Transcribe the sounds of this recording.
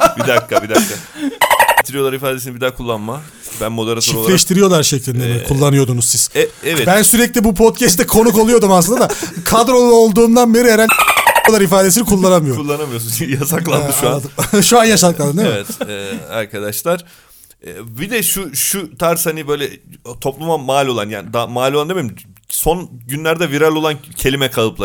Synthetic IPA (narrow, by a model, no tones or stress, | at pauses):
bid̪akʰːabid̪aɾkʰːa | it̪ʰiɾijo̞lˠaɾifaːd̪e̞sinibid̪akʰulˠːanma | bænmo̞d̪eɾatt͡ʃʰoiɾflʲɛʃt̪ʰiɾijo̞lˠaɾʃeclʲind̪ɛmikʰulˠːanɯjo̞d̪unuzsiz̥ɛɛvɛt̪bænsyɾɛclʲibupʰo̞t̪cʰɛst̪ɛkʰo̞nuko̞lˠujo̞d̪umaslɯnad̪akʰad̪ɾo̞lˠolˠd̪uːnd̪anbe̞ɾieɾalʲolˠaɾifaːd̪e̞s̬inikʰulˠːanamɯjoulˠːanamɯjos̬unjasaklˠa̰ɯʃuad̪ʃuanjaʃad̪ɯk̪ˠaeevɛt̪ɛːa̰ɾkʰad̪aʃlˠaɾ̥ | ɛːbid̪ɛʃuʃut̪ʰaɾshanibø̞jlʲɛt̪ʰo̞plˠumamaːlʲo̞lˠanja̰ːnd̪amaːlʲoand̪emeɾimso̞nɟynlʲæɾd̪ɛviɾalʲo̞lˠancʰe̞lʲimɛkʰalˠɯplˠa